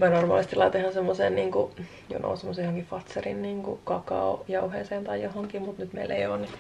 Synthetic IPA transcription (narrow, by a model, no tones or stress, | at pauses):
mænormɑ̰ːlist̪ilɑit̪oihɑnsemːoseːnniːŋku | jo̰nʔo̰unsemːosejohoŋkifɑt̪serḭnniːŋkṵkɑkɑ̰oːjɑuheːseːnt̪ɑijohoŋkimut̪nyt̪mḛilḛijoːnni